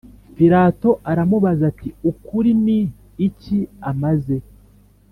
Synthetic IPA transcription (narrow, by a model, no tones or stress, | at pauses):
piɾaːto̞ʔaɾamuβazatiukuɾiniː | ciamaze̞